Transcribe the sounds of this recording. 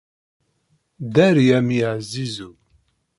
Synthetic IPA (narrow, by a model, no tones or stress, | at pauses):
d̪æɾjæmiʕzːizu